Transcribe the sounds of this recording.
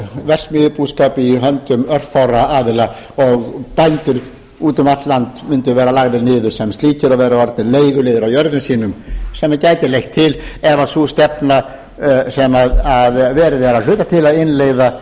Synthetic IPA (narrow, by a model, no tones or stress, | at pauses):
vɛr̥smʏːðʏpuskaːpɪiɦœnt̪ʏmœr̥tfawɾaaːðɪla | ɔɣpajnt̪ʏɾ | uːt̪ʏmat̪lant̪mʏnt̪ʏvɛːɾalaɣðɪɾnɪːðʏɾ̥sɛmst̪liːcɪɾaðvɛːɾavaɾt̪nɪleːjɣʏlɪːðʏɾawjœɾðʏmsiːnʏmsɛmːacaːjt̪ɪɾlejxt̪ʰːɪlɛvasust̪ɛpna | sɛmaðaðvɛːɾɪðɛɾal̥ʏːt̪at̪ʰɪlaðɪnleːjða